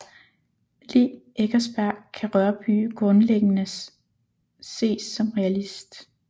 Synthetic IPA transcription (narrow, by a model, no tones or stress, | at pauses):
liːeɡ̥ɐsb̥æɐ̰kʰæʁɶɐb̥y̰ːɡ̥ʁɔ̽nleɡ̥nə | se̝̰ːsːɒ̽mʁɛælisd̥